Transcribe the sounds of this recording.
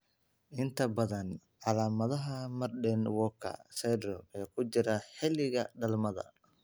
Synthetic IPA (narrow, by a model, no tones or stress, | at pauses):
ʔɪnt̪ʰɐbɐðɐnʕɑlaːmɐðɐɦɐmɐrɖɛnwɔkʰɐ̰sɛd̪rɔɛːkʰʊt͡ʃɪɾɐħɪlɪɣɐɖɐlmɐðɐ̰